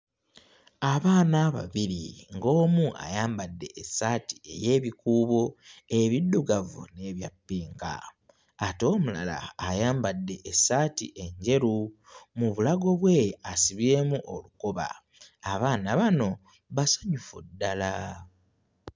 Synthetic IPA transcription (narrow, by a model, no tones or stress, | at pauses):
aβaːnaβa̰βiɾiŋɡo̞ːmua̰jaːmbadːe̞ʔːsaːti̥e̞je̞ːβikuːβoe̞βidːuɡavṵne̞βjapːiːŋka̰ː | to̞ːmula̰la̰ːjaːmbadːe̞ʔːsaːtḭʔe̞ɲɟe̞ɾu | muβulaɡo̞βwe̞asiβje̞ːmuʔo̞lukoβa̰ː | βaːnaβano̞ | βasḁɲufudːala